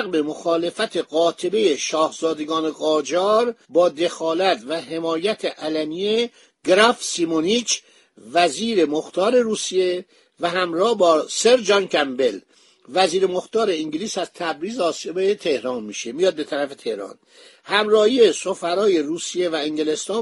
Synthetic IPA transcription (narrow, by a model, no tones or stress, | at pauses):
ɣbe̞moxɒːle̞fæt̪ʰe̞ɡɒːt̪ʰe̞be̞je̞ʃɒːhz̥ɒːd̪e̞ɡɒːne̞ɣɒːd͡ʒɒːɾbɒːd̪e̞xɒːlæt̪ʰvæɦe̞mɒːjæt̪ʰeʔælæmije | ɡ̥ɾæfsimonit͡ʃ | væziːɾe̞moxt̪ʰɒːɾe̞ɾuːsije̞ | væɦæmɾɒːhbɒːseɾd͡ʒɒnkʰæmbe̞l | væziːɾemoxt̪ɒːɾe̞iŋɟliːsæz̥t̪ʰæbɾiːzeːsiebeet̪ʰe̞hɾɒːnmiːʃe̞mijɒːd̪̚be̞t̪ʰæɾæfe̞t̪ʰe̞hɾɒ̰ːn | hæmɾɒːhijesofæɾɒːje̞ruːsije̞væiŋɡele̞st̪ɒː